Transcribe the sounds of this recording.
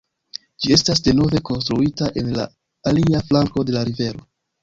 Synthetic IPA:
d͡ʒie̞stasde̞no̞ve̞ko̞nstɾuitaʔe̞nla̰ː | liaflaŋko̞de̞laɾive̞ɾo̞

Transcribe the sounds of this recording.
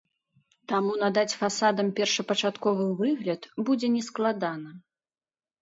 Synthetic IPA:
t̪amun̪ad̪at͡sʲfasad̪ɐmpʲɛrʂɐpɐt͡ʂat̪kɔvɨvɨɣlʲɐt̪bud͡zʲɛnʲɛsklˠad̪anɐ

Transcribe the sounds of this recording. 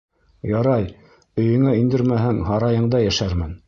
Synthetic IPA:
jɑɾɑj | ɵ̆jɵ̆ŋæind̪ɘɾmæhɘŋɦɑɾɑjɤ̆ɴd̪ɑjæʃæɾmɘn

